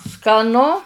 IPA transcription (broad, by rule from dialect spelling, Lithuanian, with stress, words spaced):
skɐˈnʊ